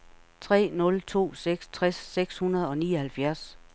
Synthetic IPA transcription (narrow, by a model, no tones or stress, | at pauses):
t͡sʰʁɛ̰ːnɔ̽lt͡sʰo̝̰ːseɡ̥st͡sʰʁasːeɡ̥shunɐð̞̩ˠɒ̽niːɒhælfjæɐs